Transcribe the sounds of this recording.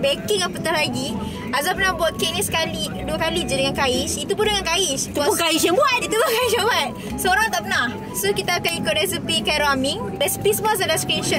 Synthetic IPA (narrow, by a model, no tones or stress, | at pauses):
bekiŋapət̪ɔlaɡi | azapənahbuat̪̚keniskali | duəkalid͡ʒanəŋankaiʃit̪upʊndəŋankaiʃt̪upʊkaiʃjaŋbuat̪̚it̪upuʊkaiʃjãbuat̪̚ | soɾãŋt̪apənah | sokit̪aːkanikʊt̪̚resipikaɾoamiŋ | rɛsi̥pisbas̬alaskɾinʃə